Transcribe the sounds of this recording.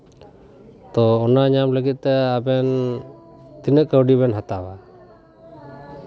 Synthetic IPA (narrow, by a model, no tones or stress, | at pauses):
t̪ɔːnaɲamləɡit̪̚ˀːɛabɛn | t̪inəʔkəwɖiβɛnɦat̪awa